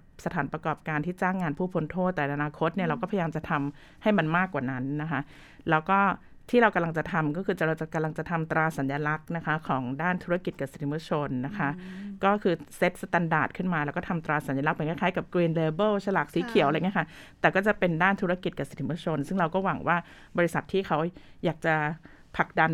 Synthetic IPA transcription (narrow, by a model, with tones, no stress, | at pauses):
sa˧t̪ʰaː˩˦npɾa˧kɔː˨˩p̚kaː˧nt̪ʰiː˥˩t͡ɕaː˥˩ŋːaː˧npʰuː˥˩pʰo˧nt̪ʰoː˥˩t̪ːʔa˧naː˧kʰo˧˦˥t̪̚ni˥˩ɐɾa˧wkɔː˥˩pʰajaː˧mt͡ɕa˨˩t̪ʰa˧m | ha˥˩jma˧nmaː˥˩kwaː˨˩na˦˥nːa˦˥kʰa˦˥ʔ | lɛː˦˥wkɔː˥˩ | t̪ʰiː˥˩ɾa˧wka˧mla˧ŋt͡ɕa˨˩t̪ʰa˧mkɔː˥˩kʰɯː˧t͡ɕa˨˩ɾa˧wt͡ɕa˨˩ka˧mla˧ŋt͡ɕa˨˩t̪ʰa˧mt̪ɾaː˧sa˩˦njaː˧la˦˥k̚na˦˥kʰa˦˥kʰːɔː˩˦ŋdaː˥˩nt̪ʰu˦˥ɾa˧˥ki˨˩t̪̚ka˨˩si̥˨˩t̪ʰi˦mu˧˦˥t͡ɕʰo˧nːa˦˥kʰa˦˥ʔkɔː˥˩kʰɯː˧se˦˥t̪̚sa˧t̪a˧ndaː˨˩t̪̚kʰɯ˥˩nmaː˧lɛː˧˦˥wkɔː˥˩t̪ʰa˧mt̪ɾaː˧sa˨˩˦nja˧la˦˥k̚pe˩˧ŋkʰa˥˩kʰaː˦˥jka˨˩p̚kɾiː˧nleː˧bɤː˥˩t͡ɕʰa˧laː˨˩k̚siː˩˦kʰi˨˩˦wʔŋi˦˥kʰa˥˩t̪ɛː˨˩kɔː˥˩t͡ɕa˨˩pe˧ndaː˥˩nt̪ʰuː˦˥ɾa˧ki˨˩t̪̚ka˨˩si̥˨˩t̪ʰi˦mu˧˥t͡ɕʰo˧nsɯ˥˩ŋɾa˧wkɔː˥˩wa̰˩˦ŋwaː˥˩bɔː˧ɾi˦˥sa˨˩t̪ʰːiː˥˩kʰa˦˥wjaː˨˩k̚t͡ɕa˨˩ | pʰa˨˩k̚da˧n